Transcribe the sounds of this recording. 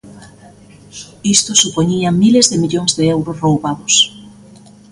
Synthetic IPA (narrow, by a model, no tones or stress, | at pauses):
ist̪osupoɲiamilezðɪmiʎoŋzðeɛwɾosrowβaðʊs